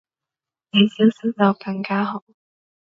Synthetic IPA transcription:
ne˨˧jsi˥wsi˥t͡sɐ˨˧wkɐ˧ŋkaː˥ɦo˨˥w

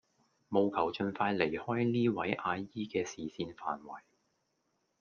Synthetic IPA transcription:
mo˨wkʰɐ˨˩wt͡ʃɵ˧nfaː˧jle˨˩jhɔː˥jniː˥wɐ˨˥jʔaː˧jiː˥kɛː˧siː˨siː˧nfa̰ː˨nwɐ˨˩j

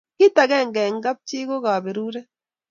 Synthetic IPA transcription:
ki˦ta˨ɣe˦˨ŋɡeː˨ŋɡa˦b̚t͡ʃiː˦ɣo˦ɣa˨βe˨ɾu˦ɾe˦

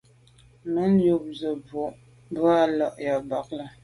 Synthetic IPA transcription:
mə˦n˦jo˨p̚zə˨bo˨ʔ | bɰa˦lɔ˦˨ʔja˨ba˨k̚lə˨

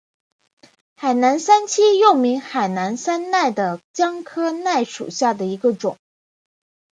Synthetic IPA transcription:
xa˨˩ɪna˧˥nsa˥nt͡ɕʰi˥jo˥˩ʊmi˧˥ŋxa˨˩ɪna˧˥nsa˥nna˥˩ɪd̪ə˩t͡ɕjɑ˥ŋkʰɤ˥na˥˩ɪʂṵ˨˩ɕja˥˩d̪ə˩i˧˥ɡə˧ʈ͡ʂʊ̰˨˩˦ŋ

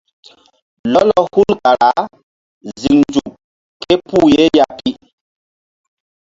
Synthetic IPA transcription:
lɔ˦lɔ˨hu˦lka˨ɾa˨˦ | zi˨ŋnd͡ʒu˨p̚ | kɛ˦pu˦je˦ja˦pi˦

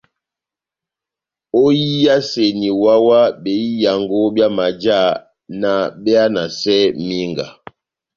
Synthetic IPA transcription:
o˦jii˦ja˦se˨ni˨wa˦wa˦be˨i˦ja˨ŋɡo˦bja˦ma˨d͡ʒa˦˨ | na˨ɓɛ˦a˦na˨sɛ˦mi˦ŋɡa̰˨

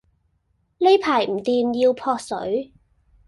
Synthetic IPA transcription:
le˥jpʰaː˨˩jm̩˨˩t̪iː˨mji˧wpʰɔː˧k̚sɵ̰˨˥ɥ

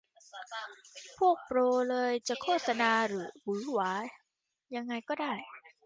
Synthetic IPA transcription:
pʰu˥˩ək̚pɾoː˧lɤː˧jt͡ɕa˨˩ʔkʰoː˥˩t̪̚sa˧naː˧ɾɯː˩˦wɯː˩˦waː˨˦ | ja˧ŋːa˧jkɔː˥˩daː˥˩j

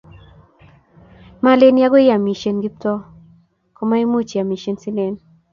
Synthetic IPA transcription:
ma˦le˦nja˦ɡo˦ɪ˦ja˨mi˨ʃe˨nɡi˦p̚tɔ˦ | kɔ˦ma˦i˦mu˦t͡ʃa˨mi˨ʃe˦nsi˦le˨n

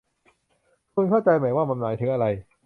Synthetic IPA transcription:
kʰu˧nkʰaː˥˩wt͡ɕa˧jma˨˩˦jwaː˥˩ma˧nnaː˨˩˦jt̪ʰɯ˩˦ŋʔa˧ɾa˧j

